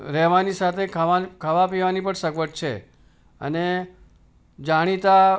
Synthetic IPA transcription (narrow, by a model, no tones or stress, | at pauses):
ɾɛɦʋanisat̪ʰekʰaakʰaʋapiʋanipəɳsəɡʋəʈ̚t͡ʃʰe | ə̰ne | d͡ʒaɽ̃it̪a